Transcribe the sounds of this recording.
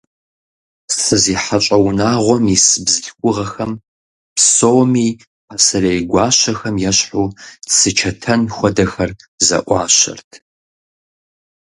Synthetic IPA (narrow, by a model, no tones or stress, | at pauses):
sɨziːħat͡ʃʼɐwnaːʁʷɔmisɨbzɨɬkʷʼʊʁɐxɐm | psoːmiː | pʰasɐrejɡʷɑːɕɐxɐmjɛɕħuːsɨt͡ʃʰɐtʰɐnxʷɔdɐxɐrzɐ̰ʔʷɑːɕɐ̰rtʰ